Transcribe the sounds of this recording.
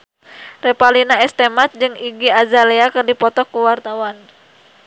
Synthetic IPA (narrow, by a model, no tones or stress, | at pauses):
rɛpalinaɛst̪ɛmat̪̚d͡ʒɨŋiɡiazalɛakɨrdipɔt̪ɔkːuwart̪awan